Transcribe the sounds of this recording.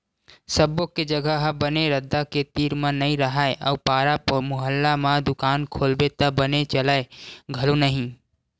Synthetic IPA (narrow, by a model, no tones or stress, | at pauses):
səbõked͡ʒəɡəɦbəneɾəd̪ːaket̪iːɾmãnɐɦĩɾəɦaeʔɔ̰ːpaːɾapmʊɦəlːamãd̪ʊkaːnkʰoːlbet̪əbənet͡ʃəlaeɡʱɐlonəɦĩ